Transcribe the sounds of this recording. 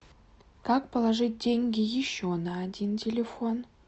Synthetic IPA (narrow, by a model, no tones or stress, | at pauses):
kak̚pəlˠaʐɨt̚ʲdʲeŋʲɡʲɪjɪɕːonaːdʲintʲɪlʲɪfon